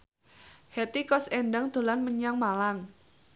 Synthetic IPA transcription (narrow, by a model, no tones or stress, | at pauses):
hɛt̪ikɔsɛɳɖaŋd̪̥o̤lanməɲaŋmalaŋ